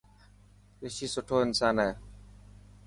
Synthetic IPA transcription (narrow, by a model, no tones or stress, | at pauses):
ɾɪʃiːsʊʈʰoːɪnsaːnɦeː